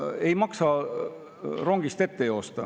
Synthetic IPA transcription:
e̞jmɑksɑ | ro̞ŋɡ̥ist̪e̞t̪ːe̞jo̞ːst̪ɑ

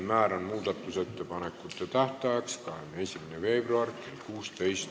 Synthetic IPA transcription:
mæːɾɑnmuːd̪̥ɑt̪ːuse̞t̪ːe̞pɑne̞kːut̪ːˑet̪æht̪æɑkskɑhemesʲimænefe̞ːb̥ruɑrkelkuːst̪e̞jst̪

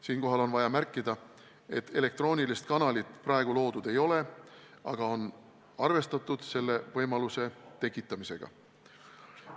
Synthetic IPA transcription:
siːnko̞ɦɑlo̞nvɑjɑmærkːˑid̪̥ɑ | e̞t̪ːˑe̞le̞k̚t̪ro̞ːnʲilist̪kɑnɑlit̪ˑprɑe̞ɡ̥ulo̞ːd̪̥ud̪e̞jo̞le̞ | ʔɑ̰ɡ̥ɑo̞n | ɑrve̞st̪ɑt̪ːˑud̪̥se̞lːe̞vɤjmɑluse̞t̪e̞kˑːit̪ˑːɑmise̞ɡ̥ɑ̰

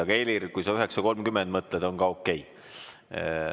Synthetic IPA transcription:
ɑɡɑelirkujsɑyɦe̞ksɑko̞lmkymend̪mɤt̪ˑled̪o̞ŋɡɑo̞kːe̞j

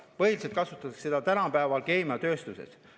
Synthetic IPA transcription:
pɤɦiliselt̪̚kɑsut̪ːˑɑɑkse̞d̪̥ɑt̪ænɑpæːvɑlke̞ːmɑt̪ø̞ːst̪use̞̰s

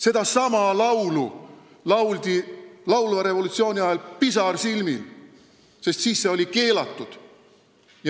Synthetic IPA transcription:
se̞d̪̥ɑsɑmɑlɑwlu | lɑwld̪̥ilɑwlvɑɾe̞vo̞lut̪sio̞ːnʲiɑelpisɑrsilmil | se̞st̪siːsːe̞o̞like̞ːlɑt̪ːˑud̪̥ | j

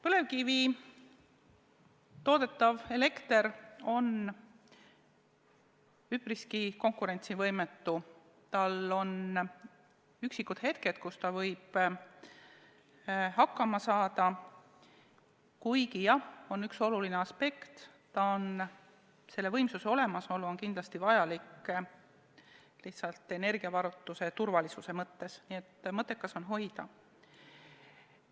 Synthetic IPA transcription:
pɤle̞vkivi | t̪o̞ːd̪e̞t̪ˑːɑve̞le̞kt̪e̞ɾo̞n | ypriskiko̞ŋkuɾe̞nt̪sivɤjmet̪ːu | t̪ɑlo̞n | yksikːˑud̪̥he̞t̪ke̞t̪̚kust̪ɑvɤjb̥ | hɑkːˑɑmɑsɑːd̪ɑ | kujɡijɑho̞nːykso̞lulineɑspe̞kt̪ | t̪ɑon | se̞lːe̞vɤjmsuse̞o̞le̞mɑso̞lːuo̞nkind̪lɑst̪ivɑjɑlikː | liht̪sɑlt̪e̞ne̞rɡiɑvɑɾut̪ːˑuse̞t̪urvɑlisuse̞mɤt̪ːe̞snie̞t̪ːmɤt̪ˑːe̞kːˑɑso̞nɦo̞jd̪̥ɑ

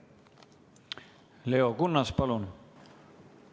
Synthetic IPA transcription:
le̞o̞kunːɑspɑlun

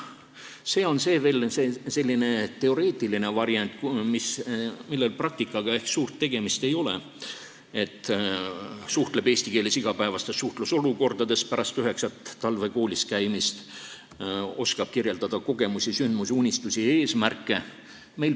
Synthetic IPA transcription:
se̞ːo̞nse̞ːve̞ːlsese̞lʲːine̞t̪e̞o̞ɾe̞ːt̪ˑiline̞vɑɾjɑnʲt̪ˑkmismilːe̞lprɑk̚t̪ikːˑɑɡ̥ɑe̞hksuːrt̪ːe̞ɡ̥e̞mist̪e̞jo̞le | e̞t̪ːˑ | suht̪le̞be̞ːsʲt̪ike̞ːlisiɡ̥ɑpæevɑst̪esːuht̪luso̞luko̞rd̪̥ɑd̪e̞spæɾʔɑst̪yɦe̞ksɑt̪ːɑlve̞ko̞ːlʲiskæjmist̪ | o̞skɑb̥̚kirje̞ld̪ɑd̪̥ɑko̞ɡ̥e̞musʲisynd̪̥musunʲist̪usʲie̞ːsmærkːˑe̞ | me̞jl

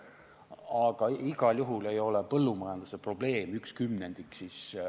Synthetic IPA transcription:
ɑɡ̥ɑiɡ̥ɑljuɦule̞jo̞lepɤlːumɑjɑnd̪̥use̞pro̞b̥le̞ːmykskymne̞nd̪̥iksis

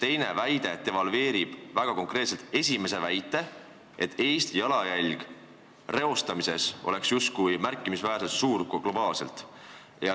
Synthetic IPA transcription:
t̪e̞jne̞væjd̪̥e̞t̪e̞vɑlue̞ːɾib̥væɡ̥ɑko̞ŋkre̞ːt̪selt̪e̞sʲime̞se̞væjt̪ːˑe̞ | ʔe̞t̪ʰːˑejst̪jɑlɑjælʲɡ̥ | re̞o̞st̪ɑmise̞so̞̰le̞ksjust̪̚kujmærkˑːimisvæːɾset̪suːɾɡɡ̥lo̞bɑːlse̞̰lt̪ˑ | jɑ

